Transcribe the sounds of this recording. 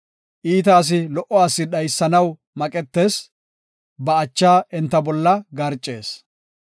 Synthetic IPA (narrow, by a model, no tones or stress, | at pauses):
ʔiːt̪aːs̬ɪlɔʔɔaːsːɪɗɐjsːɐnɐw | mɐkʼɛt̪ːe̞ːs | bɐːt͡ʃːaːɛnt̪ːɐbɔlːɐɡɐɾt͡ʃʼːe̞ːs